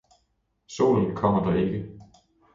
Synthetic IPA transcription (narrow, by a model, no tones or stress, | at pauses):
so̝̰ːln̩kʰɒm̰ɐd̥ɑ̈e̝ɡ̥ə